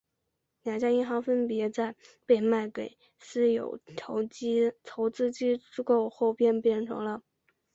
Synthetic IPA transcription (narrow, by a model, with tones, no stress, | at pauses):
nja˨˩t͡ɕja˥i˥˩xɑ˧˥ʊfə˥npjɛ˧˥t͡sa˥˧ɪpe˥˧ɪma˥˩ɪke˨˩˦ɪ | sɹ̩˥jo̰˨˩ʊt̪ʰo˧˥ʊt͡ɕtʰo˧˥ʊt͡sɹ̩˥t͡ɕi˥ʈ͡ʂɻ̩˥ko˥˧ʊxo˥˧ʊpjɛ˥˧npjɛ˥˩nʈ͡ʂʰɤ̰˧˥ŋlə˧